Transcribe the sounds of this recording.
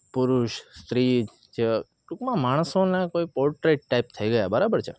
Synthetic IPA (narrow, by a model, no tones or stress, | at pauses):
pʊɾuʃst̪ɾid͡ʒ | d͡ʒe | ʈukmãmaɽ̃əsonãkoipɔɾʈɾeʈːaip̚t̪ʰəiɡəjabəɾabəɾt͡ʃʰḛ